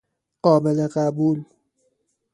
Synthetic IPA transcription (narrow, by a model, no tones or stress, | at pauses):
ɢ̥ɒːbeleɢæbuːl